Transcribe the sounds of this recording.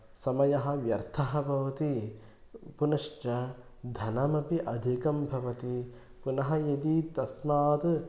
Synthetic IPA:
sɐmɐjɐɦɐ̆ʋjɐɾt̪ʰɐɦɐbʱɐʋɐt̪i | punɐʃt͡ʃɐ | d̪ʱɐnɐmɐpiʔɐd̪ʱikɐmbʱɐʋɐt̪i | punɐɦɐjɐd̪it̪ɐsmaːt̪

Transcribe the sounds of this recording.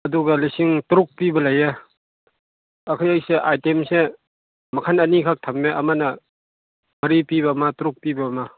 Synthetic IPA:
ɐduɡɐlisiŋtuɾuk̚pibɐlɐje | ɐkʰajajseʔajtemse | mɐkʰanɐnikʰak̚tʰɐmːeʔɐmanɐ | mɐɾipiβamatuɾuk̚pibɐma

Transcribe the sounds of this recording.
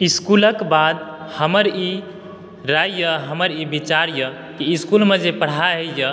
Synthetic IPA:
iskuləkbad̪ | həməɾi | ɾajjəɦəməɾibit͡ʃaɾjə | kiːskulmed͡ʒepəɽ̤aɦejə

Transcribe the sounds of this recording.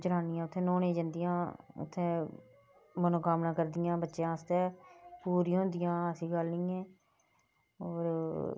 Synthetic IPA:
d͡ʒəɾaːnɪjãːʊt̪ʰẽːnoːnẽːd͡ʒənd̪ɪjãːʊ̰t̪ʰːẽː | mənoːkaːmnaːkəɾd̪ɪjãːbətːʃjãːst̪ɛːpuːɾĩːɦʊ̃nd̪ɪjãːəsiːɡəlnĩːɛ̃ː | oːɾ

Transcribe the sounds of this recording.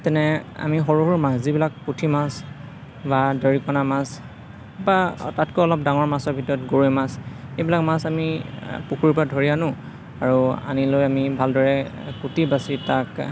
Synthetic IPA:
tɛnɛa̰mixɔɹuɦuɹmaszibilakːutʰimas | badɔɹikɔnamas | ba̰tatkoɔlɔp̚daŋɔɹmasɔɹbʱitɔɹɔtɡoɹojmasejbilakmasamipuxʰuɹpɹadʱɔɹianʊ̃ | aɹua̰nilojamibʱaldɔɹɛkutibasitak

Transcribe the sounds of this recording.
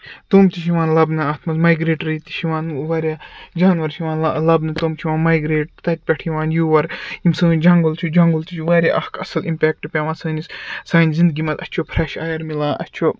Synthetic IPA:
t̪oːmt̪iʃiʋãːnlɐbnɨaːt̪ʰmɐzmaːjɡɾeːʈɾit̪i̥ʃʰiʋãːnʋɐɾʲaːd͡ʒaːnʋɐɾʃʰiʋaːnlɐbnɨt̪oːmt͡ʃʰiʋaːnmaːjɡɾeːʈt̪ɐt̪̚ʲpʲɐʈʰiʋaːnjuːʋɐɾimsɨːd͡ʒɐŋɡɐlt͡ʃʰud͡ʒɐŋɡɐlt̪it͡ʃʰuʋaːɾʲja̰ʔɐhkʰɐsɐlimpʲɛːk̚ʈɨpʲaʋãːnsɐːnissaːnizind̪̚ɡimɐt̪ɐt̪ʲt͡ʃʰopʰɾɐʃaːjɐɾmilãːʔɐ̰tʲt͡ʃʰo

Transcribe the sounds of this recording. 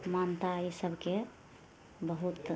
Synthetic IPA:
mant̪aisəbʱke | bəɦut̪

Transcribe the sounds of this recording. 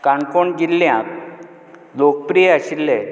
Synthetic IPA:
kaɳkoɳɡilːjãk | lok̚pɾijeaɕilːe

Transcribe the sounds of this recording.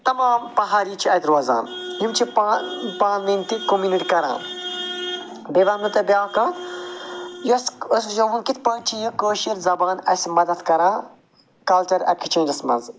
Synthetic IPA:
t̪ɐmaːmpɐɦaːɾiːt͡ʃʰiɐt̪ʲɾoːza̰ːnɦimt͡ʃʰipːpaːnninʲt̪ikomjuniʈikɐɾã̰ː | beʋɐːnnɐt̪ɐbʲjaːkaːt̪ | josos̬jɐʋunkit̪̚ʰpɐːnt͡ʃʰijɐ̃koːʃɐɾzɐbaːnɐsmɐd̪ɐt̪kɐɾãː | kɐlt͡ʃɐɾɐ̰kʰt͡ʃʰẽːnd͡ʒɐsmɐ̰nz

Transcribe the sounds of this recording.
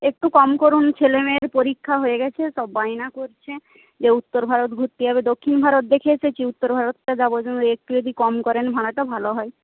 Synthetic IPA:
ek̚ʈukɔmkoɾunt͡ɕʰelemeɾpoɾikʰːaɦoeɡɛt͡ɕʰeʃɔbːainakoɾt͡ɕʰe | d͡ʑeut̪ːoɾbʱaɾot̪̚ɡʱuɾt̪iɦɔbed̪okʰːinbʱaɾot̪̚d̪ekʰeesʰet͡ɕʰiut̪ːoɾbʱaɾot̪ʈad͡ʒabod͡ʑonek̚ʈud͡ʑod̪ikɔmkɔɾenbʱaɽaʈabʱaloɦɔe

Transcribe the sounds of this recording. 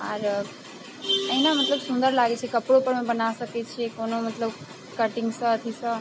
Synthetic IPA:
ə̰ɾ | ə̃ɦnamət̪ləbsʊ̃nd̪əɾlaːɡet͡ʃʰekɐpɽopəɾmẽbənasəket͡ʃʰekoːnomət̪ləb | kəʈɪ̃ŋɡsət̪ʰisə

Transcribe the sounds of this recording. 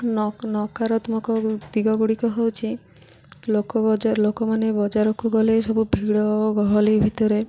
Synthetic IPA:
nɔnɔkaɾɔt̪umɔkɔd̪iɡɔɡuɽikɔɦewt͡ʃʰi | lokɔd͡ʒalokɔmanebɔd͡ʒaɾɔkuɡɔlesɔbubʱiɡɽɔɡɔɦɔlibʱit̪ɔɾe

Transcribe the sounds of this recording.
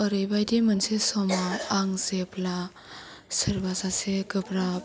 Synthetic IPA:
əɾɯjbajdimɯnsesɔmaːŋzepla | sɯɾbasaseɡɯpɾa

